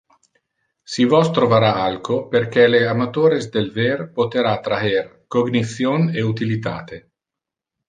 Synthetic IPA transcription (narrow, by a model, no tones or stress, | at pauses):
sivɔst̪ɾovaɾaalkoperk̟ɛleamat̪oːɾezd̪elverpot̪eɾat̪ɾaerkoɡnit̪sjoneut̪ilit̪a̰ːt̪e